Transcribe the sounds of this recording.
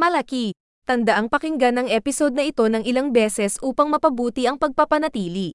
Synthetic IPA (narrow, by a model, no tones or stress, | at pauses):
mɐlɐki | t̪ɐnd̪ɐʔaŋpɐkɪŋɡanːɐŋʔɛːpɪso̞d̪̚nɐʔɪt̪o̞nɐŋʔɪlaŋbɛsɛsʔuːpɐŋmɐpɐbuːt̪iʔɐŋpɐɡ̚pɐpɐnɐt̪iːli